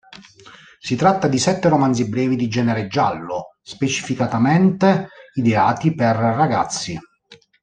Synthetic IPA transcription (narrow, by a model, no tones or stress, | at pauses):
sit̪ɾat̪ːad̪isɛt̪ːeɾomanzibɾɛːvid̪id͡ʒɛːneɾed͡ʒːalːʊspet͡ʃi̥fikat̪amɛnt̪eid̪eaːt̪iperːaɡat̪sːi